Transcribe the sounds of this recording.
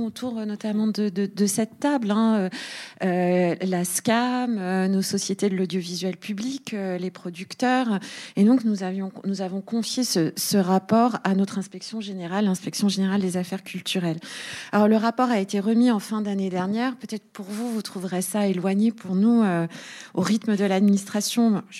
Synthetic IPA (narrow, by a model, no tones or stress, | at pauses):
ot̪ʰuʁnɔt̪amɑ̃d̪əd̪əd̪əsɛt̪ːablɛ̃øølaskʲamønosɔsjet̪ed̪əlɔd̪jovizɥɛlpyblikølepχɔd̪ykt̪œʁed̪ɔ̃knuzavjɔ̃nuzavɔ̃kɔ̃fjesəsəʁapɔʁanɔt̪χɛ̃spɛksjɔ̃ʒeneʁalːɛ̃spɛksjɔ̃ʒeneʁald̪ezafɛʁkʲylt̪yʁɛlalɔʁləʁapɔʁaet̪eʁəmiɑ̃fɛ̃d̪aned̪ɛʁnjɛʁpøt̪ɛt̪χəpuʁvuvut̪χuvʁɛsaelwaɲepʰuʁnuøoʁit̪məd̪əlad̪minist̪χasjɔ̃